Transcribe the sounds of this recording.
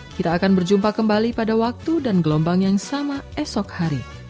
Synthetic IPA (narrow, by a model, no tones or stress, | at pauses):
kit̪aːkanbərd͡ʒumpakəmbalipadawak̚t̪udanɡəlɔmbaŋjaŋsamaɛsɔkhaɾi